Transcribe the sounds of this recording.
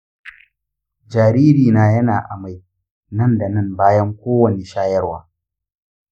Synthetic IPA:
d͡ʒaː˨ɾiː˦ɾiː˨naː˨˦jɐ˦naː˨ʔa̰˨ma˦˨j | nɐ˦˨nda˨nɐ˦˨mbaː˦jɐ˦ŋkʷoː˦wɐ˨ne˨ʃaː˦jɐ˦rwa̰ː˨

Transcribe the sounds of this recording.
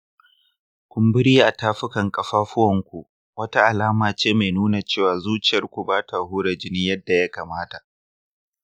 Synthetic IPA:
kʷʊ˦mbɪ˦ɽiː˦ʔa˨taː˦ɸʊ˦kɐ˨ŋkʼɐ˨ɸaː˦ɸʊ˦wɐ˨ŋkʷu˨ʔ | wɐ˦ta˦ʔa˨laː˦maː˨t͡ʃeː˦ma˨jnuː˦na˨t͡ʃeː˦˨waː˨zuː˦t͡ʃɪ˨jɐ˦rkʷu˨baː˦taː˨hʊː˦ɾɐ˨d͡ʒɪ˦niː˦jɐ˦dːa˨ja˦kaː˨maː˦ta˨ʔ

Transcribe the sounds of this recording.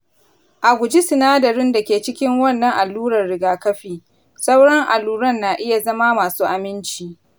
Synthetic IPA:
ʔa˨ɡʷʊ˨d͡ʒi˦sɪ˨naː˦dɐ˨ɾɪ˦nda˨kʲeː˨t͡ʃɪ˦kʲɪ˦ŋwɐ˦˨nːɐ˨ŋʔa˨lːuː˦ɾɐ˨rɽɪ˨ɡaː˨kɐ˦ɸiː˨ | sɐ˦wɽɐ˦ŋʔa˨lːuː˦ɾɐ˦˨nːaː˨ʔɪ˦ja˨zɐ˦ma˦maː˨suː˦ʔa˨mɪ˦nt͡ʃiː˨

